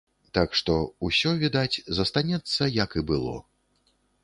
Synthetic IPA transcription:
t̪akʂt̪ɔusʲɔvʲid̪at͡sʲzɐst̪anʲɛt̪sːɐjɐkibɨlˠɔ̰

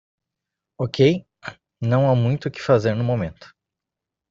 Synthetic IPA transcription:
okʰej | nɐ̃w̃amũj̃t̪ʊkɪ̥fazeɾnʊmomẽnt̪ʊ̥

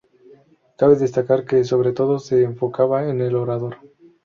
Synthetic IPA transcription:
kaβe̞ðe̞st̪akaɾke̞so̞β̞ɾe̞t̪o̞ðo̞se̞ːɱfo̞kaβaene̞lo̞ɾað̞o̞ɾ

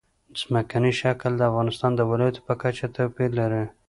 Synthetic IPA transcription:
zməkaniʃakld̪əafɣɑnɪst̪ɑnd̪əwɪlɑjat̪o̥pəkat͡ʃat̪awpilaɾi

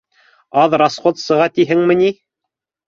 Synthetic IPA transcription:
ɑðɾasχot̪sɤ̆ʁɑt̪iɦɘŋmɘ̆ni

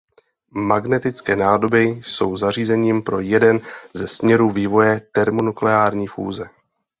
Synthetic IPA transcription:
maɡnɛt̪ɪt͡skɛːnaːdo̞bɪso̞̰wzar̝iːzɛɲiːmpɾo̞jɛdɛnzɛsmɲɛɾuviːvo̞jɛt̪ɛɾmonuklɛaːɾɲiːfṵːzɛ

